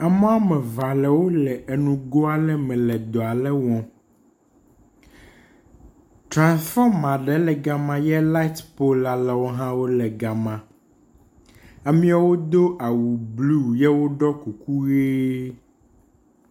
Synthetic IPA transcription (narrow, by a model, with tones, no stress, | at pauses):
a˨mɛ˦a˦mɛ̃˨va˨lɛ˨wo˦lɛ˨ʔe˨nũ˨ɡo˦a˦lɛ˦mɛ̃˨lɛ˨d̪ɔ˨a˨lɛ˦wɔ̃˨ | tɾã˨nsfɔ˦mã˨ɖɛ˨˦lɛ˨ɡa˨mã˦jɛ˦la˦i˦t̪po˦la˨lɛ˨wo˦ɦã˦wo˦lɛ˨ɡa˨mã˨ | a˨mĩ˦a˨wo˦d̪o˦ʔa˨wu˨blu˦˨jɛ˦wo˦ɖɔ˦ku˨ku˦ɣe˦